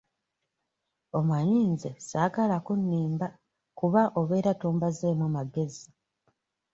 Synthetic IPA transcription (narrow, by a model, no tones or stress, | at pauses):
o̞mwaɲiːnzesaːkalakunːiːmba | kuβaʔo̞βe̞ːɾatuːmbazeːmomaɡe̞zi